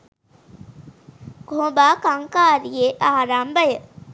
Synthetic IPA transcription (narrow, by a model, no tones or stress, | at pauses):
ɡ̥ʱõːbaːkɐŋkaːɾijeʔaːɾaːmbəjə